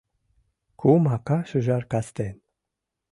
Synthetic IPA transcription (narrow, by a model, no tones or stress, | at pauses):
kʰumakaʃɨʒarkast̪en